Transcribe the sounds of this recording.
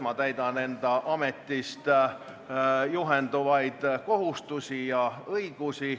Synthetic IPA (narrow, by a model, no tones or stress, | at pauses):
mɑt̪æjd̪ɑne̞nd̪̥ɑʔɑme̞t̪ˑːist̪ | juɦend̪̥uvɑjd̪̥ko̞ɦust̪usijɑɤjɡ̥usi